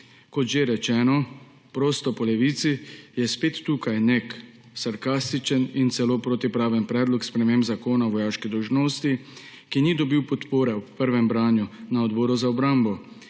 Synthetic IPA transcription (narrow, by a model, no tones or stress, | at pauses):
kɔt̪ʒeɾɛt͡ʃɛːnɔ | pɾoːst̪ɔpɔlɛʋiːt̪sijɛspeːt̪ːuːkajnek | saɾkaːst̪it͡ʃənint̪sɛloːpɾoːt̪ipɾaːʋənpɾɛːd̪lɔkspɾɛmeːmbzakoːnaʋɔjaːʃkid̪ɔwʒnoːst̪i | kinid̪ɔbiwpɔt̪poːɾɛwpəɾʋɛmbɾaːnjunaɔd̪bɔːɾuzaɔbɾambɔ